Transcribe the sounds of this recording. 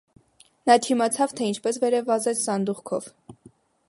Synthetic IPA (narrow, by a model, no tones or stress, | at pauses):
nɑt̪ʰimɑt͡sʰɑvt̪ʰɛint͡ʃʰpɛsvɛɾɛvɑzɛt͡sʰsɑnd̪uʁkʰɔ̰v